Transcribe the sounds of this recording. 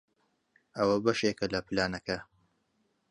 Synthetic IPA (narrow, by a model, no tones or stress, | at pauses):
ɐwɐbɐʃeːkɐlɐpɨlaːnɐkɐ